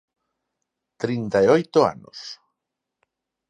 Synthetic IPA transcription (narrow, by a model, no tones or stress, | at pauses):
t̪ɾint̪aeojt̪ʊa̰nʊ̰s